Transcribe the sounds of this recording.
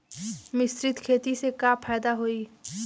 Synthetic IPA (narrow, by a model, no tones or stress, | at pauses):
mɪsɾɪt̪kʰeːt̪isekaːpʰɛːd̪aɦoiː